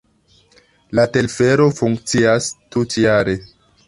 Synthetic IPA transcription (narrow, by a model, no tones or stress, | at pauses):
late̞lfe̞ɾo̞fuŋk̚t͡siastutjaɾe̞